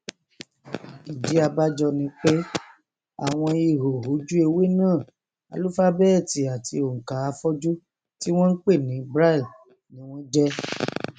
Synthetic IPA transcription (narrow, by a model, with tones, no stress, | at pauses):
i˨d͡ʒi˨˦a˧ba˦d͡ʒɔ˧nĩ˧˦k͡pe˦ | a̰˦˨w̃ɔ̃˧i˧˨ɦo˨ɦo˨˦d͡ʒu˦e˧we˦nãː˦˨ | a̰˨˧lu˦fa˦bɛ˦ɛ˦˨ti˨˦a˨ti˧o˨ŋ̩˨ka˨˦a˧fɔ˦d͡ʒu˦ | ti˦w̃ɔ̃˦n̩˦k͡pe˦˨nĩ˨˦˧bɾa˦i˦˨l | nĩ˦w̃ɔ̃˦d͡ʒɛ˦